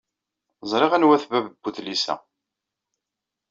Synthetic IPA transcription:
zˤɾˤeʁænwæθvævəbːuθlisæ̰

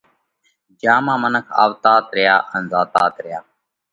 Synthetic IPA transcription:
d͡ʒaːmãːmənəkʰa̰ːʋt̪aːt̪ɾɪjaːʔənzaːt̪aːt̪ɾɪjaː

